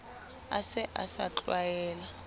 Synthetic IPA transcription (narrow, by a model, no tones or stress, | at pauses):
asɪʔasat͡ɬʼwajɛːla